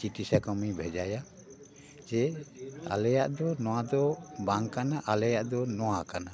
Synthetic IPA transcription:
t͡ʃiʈisakɔmibʱɛd͡ʒaja | d͡ʒɛa̰lɛjaʔd̪ɔnɔwad̪ɔbaŋkanaʔalɛjaʔd̪ɔnɔwakana

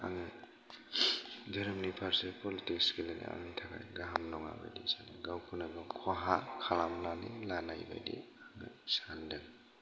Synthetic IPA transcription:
a̰ŋɯj | dəɾɯmnipʰaɾsepɔlitikskilanḭa̰ŋajtʰakʰa̰jɡaɦamnɔŋa̰ba̰jdisaniɡawkʰunaɡɯmkʰaɦakʰalamlanilanajba̰jdḭaŋɯ̰sandɯŋ

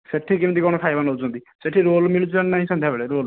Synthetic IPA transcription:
seʈʰikimnt̪ikɔñɔkʰajbanot͡ʃʰɔ̃nt̪i | seʈʰiɾolmiɭut͡ʃʰilannaɦĩsɔ̃nd̪ʱjabeɭeɾoːl

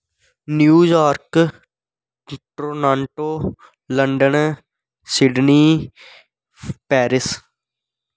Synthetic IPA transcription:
njuːjaːɾk | ʈɾoːnãːɳʈoː | ləɳɖən | sɪɖniː | pɛːɾɪs

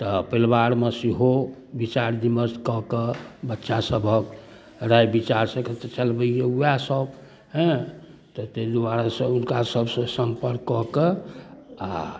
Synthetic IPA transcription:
t̪ɔpəlbaɾmesiɦo | bit͡ʃaɾd̪iməskɔkebətːʃasəbʱək | ɾajbit͡ʃaɾsə̃ket̪et͡ʃəlbəijeujasəb | ɦɛ̃ | t̪ɔt̪ed̪uwaɾasəunkasəbsə̃səmpəɾkːɔke | a̰

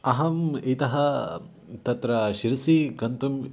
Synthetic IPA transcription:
ɐɦɐmit̪ɐɦɐ | t̪ɐt̪ɾɐʃiɾɐsikɐnt̪um

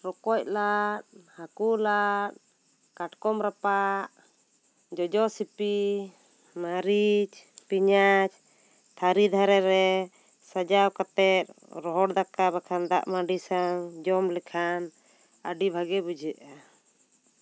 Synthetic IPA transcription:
ɾɔkɔc̚lat̪̚hakulat̪̚ | kaʈkɔmɾapaʔ | d͡ʒɔd͡ʒɔsipi | maɾid͡ʒpiɲat͡ʃ | t̪ʰaɾid̪ʱaɾɛɾɛ | sad͡ʒawkat̪ɛt̪̚ | ɾɔɦɔɽd̪akabakʰand̪aʔmaɖisaŋd͡ʒɔmlɛkʰan | aɖibʱaɡɛbud͡ʒɛʔa

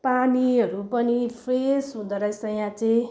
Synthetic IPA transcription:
paniʌɾupʌnipʰresɦũd̪ʌɾʌsʌjãt͡sʌĩ

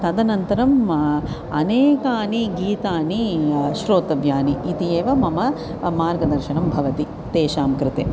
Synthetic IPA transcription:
t̪ɐd̪ɐnɐnt̪ɐɾɐm | ɐneːkaːniɡiːt̪aːniʃɾoːt̪ɐʋjaːniːt̪ijeːʋɐmɐmɐ | maːɾɡɐd̪ɐɾʃɐnɐmbʱɐʋɐt̪i | t̪eːʃaːmkɾɪt̪eː

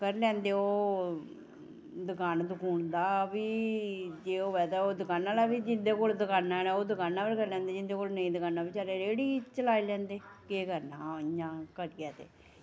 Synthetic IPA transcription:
kəɾlɛ̃ːnd̪eːoː | d̪ʊkaːnd̪ʊkuːɳd̪aːʋiːd͡ʒeːoːʋɛːd̪aːoːd̪ʊkaːnːaːlaːʋid͡ʒɪnd̪eːkoːld̪ʊkaːnːanaːoːd̪ʊkaːnːãːpəɾkəɾlɛ̃ːnd̪eːd͡ʒɪnd̪eːkoːlnəĩːd̪ʊkaːnːaːbiːt͡ʃaːɾeːɾeːɽiːt͡ʃəlaːilɛ̃ːnd̪eːkeːkəɾnaːəɲãːkəɾjɛːt̪ḛː

